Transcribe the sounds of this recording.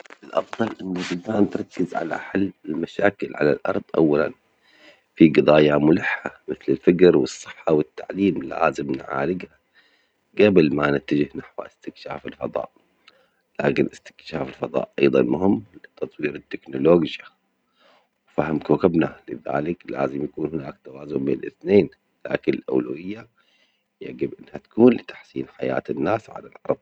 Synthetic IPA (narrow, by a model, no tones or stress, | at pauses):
ʔɪlʔɑfðˤɑlʔɪnːabɪdaːnt̪ɾˤɑkːɪzʕa̰la̰ħalːɪlmaʃaːkɪlʕa̰la̰lʔɑ̰ɾˤðˤʔa̰wːala̰n | fiɡɨðˤaːjamʊlɪħːamɪθlɪlfɪkɾwɨsˤːɨħːɑwɪt̪ːaʕliːmla̰ːzɪmnʕa̰ːlɪɡha | ɡabɪlmanɪt̪ːad͡ʒɪhnaħwʔɪst̪ɪkʃa̰ːfɪlfɑðˤɑ̰ːʔ | laːkɪnʔɪst̪ɪ̥kʃaːfɪlfɑðˤɑ̰ːʔʔɑjðˤɑ̰nmʊhɪmːlɪt̪ɑt̪ˤwiːɾɪt̪ːɪknʊloːɡa | wfahɪmkoːkabnalɪða̰ːlɪkla̰ːzɪmjakuːnhɪnaːkt̪awaːzʊmbḛnʔɪ̰θneːn | la̰ːkɪnɪlʔa̰wlawɪjːa | jaʕɡɪbʔɪnːhat̪ḁkuːnlɪt̪ḁħsiːnħaja̰ːt̪ɪnːaːsʕa̰lalʕɑɾˤd̪ˤ